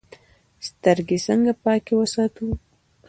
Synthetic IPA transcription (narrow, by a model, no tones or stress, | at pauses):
st̪əɾɡesəŋɡapɑkewəsɑt̪u